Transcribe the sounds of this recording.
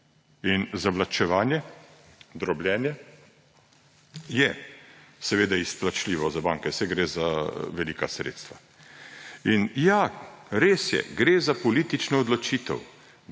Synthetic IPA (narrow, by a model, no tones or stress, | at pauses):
inzaʋlat͡ʃɛʋaːnjɛ | d̪ɾɔblʲjɛːnjɛ | jɛ | sɛʋeːd̪aisplat͡ʃliːʋɔzabaːŋkɛsɛɡɾeːzaʋɛliːkasɾḛːt̪st̪ʋa | injaɾeːsjɛ̰ɡɾeːzapɔliːt̪it͡ʃnɔːd̪lɔt͡ʃiːt̪ə̰w